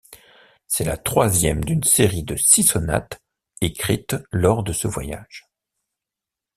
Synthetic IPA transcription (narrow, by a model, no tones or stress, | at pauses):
sɛla̰t̪χwazjɛmd̪ynseʁid̪əsisɔna̰t̪ | ekχit̪lɔʁd̪əsəvwa̰ja̰ʒ̥